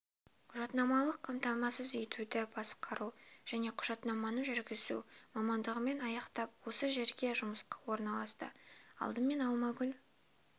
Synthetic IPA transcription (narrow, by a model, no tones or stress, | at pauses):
qʰʊʒɑt̪nɑmɑlˠəqʰːɑmt̪ɑmɑsəze̞t̪ud̪ɪbɑsqʰɑɾuʒ̥æne̞qʰʊ̥ʒ̥ɑt̪nɑmɑnəɴʒɪɾɡʲɪzṵmɑmɑnd̪əʁəme̞nɑjɑqt̪ɑp̚wo̞səʒe̞ɾɡʲe̞ʒʊməsqɑwo̞ɾnɑlˠɑst̪ə̰ɑ̰lˠd̪əme̞nɑlˠmɑɡʲʏl